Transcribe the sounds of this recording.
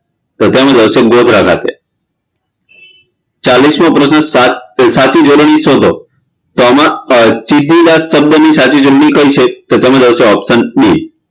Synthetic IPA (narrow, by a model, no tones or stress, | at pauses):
t̪ot̪emãd͡ʒəʋseɡod̪ʱɾakʰa̰t̪ḛ | t͡ʃalismãpɾəsnəsat͡ʃid͡ʒoɾnisod̪ʱo | t̪oəmãt͡ʃid̪ʱːid̪asəb̚d̪ənisat͡ʃid͡ʒoɾɳikəjt͡ʃʰet̪ot̪emãd͡ʒəʋseɔpsənni